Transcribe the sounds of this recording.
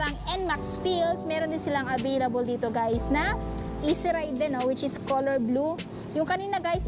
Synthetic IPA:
ɾɐŋɛnmaksfilsmɛːɾond̪ɪnsɪlaŋʔɐvejlɐbold̪iːt̪oɡajsnɐ | ʔisɪɾajd̪ːɛnːowɪt͡ʃɪskolɛɹblu | jʊŋkɐniːnɐɡajs

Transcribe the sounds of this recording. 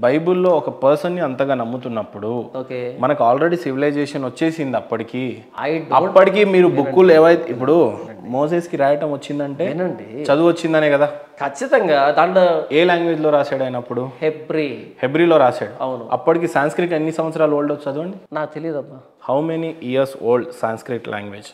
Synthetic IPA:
bɐjbulːo̞ːɔkɐpɐɾsɐnːiɐnt̪ɐɡaːnɐmːut̪unːɐpːuɽuoːkemɐnɐkuaːlɾe̞ɽiːsiʋilɐjd͡ʒeːʂɐnʋɐt͡ʃːe̞ːsind̪iɐpːɐʈikiː | ɐjɐpːɐʈikiːmiːɾubukːulɛːʋɐjt̪ipːuɽumoːseːskiɾaːjɐʈɐmʋɐt͡ʃːind̪ɐɳʈe̞enɐɳɖit͡ʃɐd̪uʋɐt͡ʃːind̪ɐneːkɐd̪aːkʰɐt͡ʃːit̪ɐŋɡaːd̪ɐɳɖɐeːlaːŋɡʋe̞ːd͡ʒloːɾaːsaːɽɐjnɐpːuɽuhebɾihebɾiːlo̞ːɾaːsaːɽuɐwnuɐ̰pːɐʈik̬iːsaːnskɾikʈːenːisɐ̃mʋɐt̪sɐɾaːloːɭɖot͡ʃɐd̪uʋɐɳɖinaːk̚t̪elijɐd̪ɐbːa | hɐwmeniʔijɐɾsoːɭɖsaːnskɾikʈlʔa̰ːŋɡʋeːd͡ʒ

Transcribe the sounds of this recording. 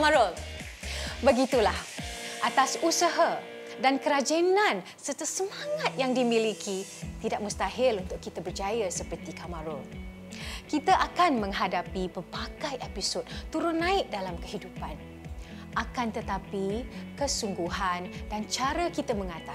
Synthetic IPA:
maɾɔl | bəɡit̪ulahʔat̪asusəɦa | dankəɾad͡ʒenãn | sərt̪əsəmãŋat̪̚jaŋdimilikʰit̪idaʔ̚mə̃st̪aɦɪlunt̪ʊkːit̪əbərd͡ʒajasəpərt̪ikamaɾɔl | kit̪aʔakanmə̃ŋɦadapibərpakajʔepisod̚t̪ːuɾʊnːãɪʔ̚dalamkəhidupan | ʔakant̪ət̪apikəsuŋɡuhandant͡ʃaɾəkit̪əmə̃ŋat̪a

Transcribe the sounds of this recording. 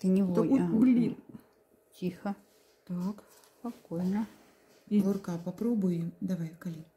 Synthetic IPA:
t̪ɨnʲɪvt̪blʲin | tʲixɐ | t̪ak | spɐkojnɐ | lˠʊrkapɐpɾobʊjɪmd̪ɐvajkalʲi

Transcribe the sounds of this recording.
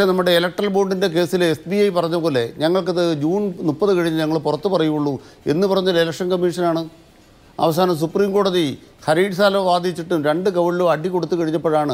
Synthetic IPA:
enɐmːuɽe̞ːlɐk̚ʈɐrɐlbo̞ːɳɖinde̞k̬e̞ːsilesbiɐjpɐrɐɲːɐkːoːɐlːe̞ɲɐŋːɐɭk̬ɐðɨd͡ʑuːnnupːɐðɨkɐɻiɲːɨɲɐŋːɐɭpurɐt̪ːupɐrɐjuuɭːue̞̰nːɨpɐrɐɲːɐlelɐkʂɐnkɐmːiʂɐnaːɳɨ | ɐ̰ʋɐs̬aːnɐms̬upriːmko̞ːɽɐði | hɐɾiːɖsaːlɐmʋaːd̪it͡ɕːiʈːumɾe̞ɳɖɨkɐʋɐɭloɐɖʱikoɽut̪ːukɐɻiɲːɐpːɐɻaːɳɨ

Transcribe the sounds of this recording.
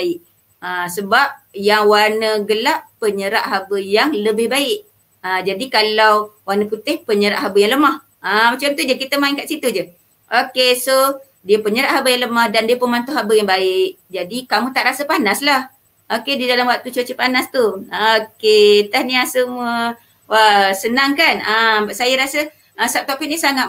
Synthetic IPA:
ɪʔ | əsəbap̚jaŋwanəɡəlaʔpəɲəɾaʔɦabəjaŋləbɪhbaɪʔ | əd͡ʒadikalawwanəput̪ɪhpəɲəɾaʔɦabəjaŋləmah | amat͡ʃamt̪ud͡ʒəkit̪əmaiŋkaʔsit̪ud͡ʒə | ʔokeso | diəpəɲəɾaʔhabəjaŋləmahdandiəpənmant̪ʊɦabəjaŋbaɪʔ | d͡ʒadikamũt̪aʔɾasəpanaslah | ʔokedidalamwak̚t̪ut͡ʃot͡ʃəpanast̪uket̪ahnĩasəmuə | wasənaŋkanabaʔsajəɾasə | əsap̚t̪opɪʔnisaŋa

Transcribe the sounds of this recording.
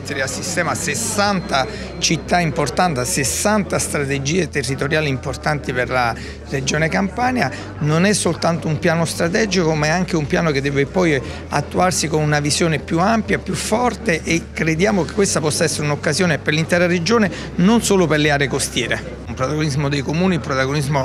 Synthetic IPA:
t̪ːeɾeasːist̪ɛːmasesːant̪a | t͡ʃit̪ːaimport̪ant̪asesːant̪ast̪ɾat̪ed͡ʒiːet̪erːit̪oɾjaːlimport̪ant̪iperla | red͡ʒoːnekampaːnja | nonɛsːolt̪ant̪oumpjaːnost̪ɾat̪ɛːd͡ʒikomaɛaŋk̟eumpjaːnoked̪ːɛːvepɔj | a̰t̪ːuarsikonunavisjoːnepjuampjapjufːɔrt̪eʔekːɾed̪jaːmokekːwest̪apɔsːaɛsːeɾeunokːasjoːneperlint̪ɛːɾared͡ʒoːne | nonsoːloperleaːɾekost̪jɛːɾe | umpɾot̪aɡonizmod̪ejkomuːniupɾot̪aɡonizmo

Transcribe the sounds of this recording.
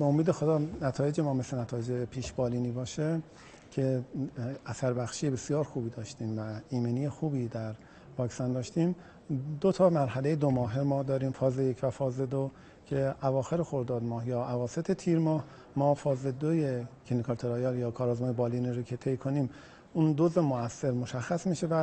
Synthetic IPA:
beomiːd̪exod̪ɒːnæt̪ʰɒːje̞d͡ʒemɒːme̞slenæt̪ʰɒːjed͡ʒepʰiːʃbɒːliːniːbɒːʃe | cʰe̞ | æsæɾbæxʃije̞be̞sjɒːɾxuːbiːd̪ɒːʃt̪iːmvæiːmeniːje̞xuːbiːd̪æɾ | bɒːksænd̪ɒːʃt̪iːm | d̪ot̪ʰɒːmæɾɦælejed̪omɒːɦemɒːd̪ɒːɾiːmfɒːzejecʰvæfɒːzed̪o | cʰe̞ʔævɒːxe̞ɾexoɾd̪ɒːd̪mɒːhjɒːævɒːse̞t̪ʰet̪ʰiːɾmɒːh | mɒːfɒːzed̪oje̞kʰenikʰɒɾt̪ʰoɾɒːjɑljɒːkʰɒːɾɒːzmɒːjebɒːliːniɾocʰe̞t̪ʰe̞jkʰo̞niːm | und̪ozemoæsːe̞ɾmoʃæxːæsmiʃe̞væ

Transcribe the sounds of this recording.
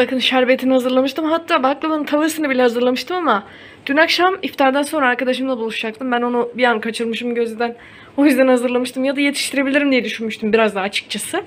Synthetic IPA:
bakʰɯnʃæɾbe̞t̪ʰinihazɯɾlˠamɯʃt̪ʰɯmɦat̪ʰːaːbaklˠɯmaɯnt̪ʰavɯɾsɯnɯbilʲɛhazɯɾlˠamɯʃt̪ʰɯmama | d̪̥ynakʃamift̪ʰaɾd̪ænso̞nɾaːɾkad̪aʃɯmlˠabulˠuʃd͡ʒak̚t̪ʰɯmbæno̞nubijankʰat͡ʃʰɯɾmɯʃɯmɟø̞zʲed̪æn | o̞jyzd̪ænhazɯɾlˠamɯʃt̪ʰɯmjad̪aje̞t̪ʰi̥ʃt̪ʰiɾebilʲiɾimd̪ijɛd̪yʃynmyʃt̪ʰymbiɾazd̪aːt͡ʃʰɯ̥k̚t͡ʃʰasɯ

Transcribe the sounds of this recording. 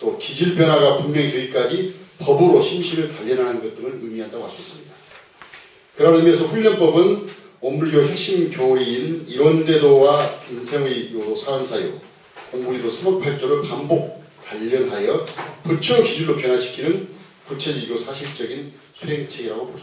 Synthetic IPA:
t͈okid͡ʑiɭpjʌnɦaɡapummjʌŋiteɡik͈ad͡ʑipʌbɯɾoɕʰimɕʰiɾɯɭtaʎːʌnɦanɯnɡʌt̚t͈ɯŋɯɾɯmiɦandaɡoaɭs͈uʌis͈ɯmɲida | kɯɾanemjʌnsʰʌɸuʎːʌnp͈ʌbɯn | ommuɾidohe̞k̚ɕ͈imkjoiːniɾwʌnde̞dowapinsʰeŋijosʰaansʰajo̰ | oŋmuɾidosʰɯmok̚pʰaɭt͡ɕ͈oɾɯɭpambok̚taʎːʌnɦajʌpɯt͡ɕʰukid͡ʑuɭːopjʌnɦaɕʰi̥kʰinɯn | kut͡ɕʰe̞d͡ʑiɡjosʰaɕʰiɭt͡ɕ͈ʌɡin | sʰuɦe̞ŋt͡ɕʰeɡiɾaɡopo

